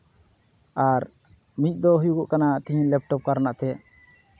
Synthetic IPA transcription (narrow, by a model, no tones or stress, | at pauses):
aɾ | mit̪̚ˀd̪ɔɦujuɡɔʔkanat̪iɦilɛp̚ʈɔp̚kaɾnaʔt̪ɛ